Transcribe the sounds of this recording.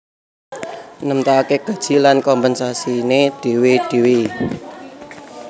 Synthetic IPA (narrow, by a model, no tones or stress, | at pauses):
nəmt̪akeɡ̥a̤d̥ʒ̥i̤lankɔmpɛnsasined̥e̤wed̥e̤wi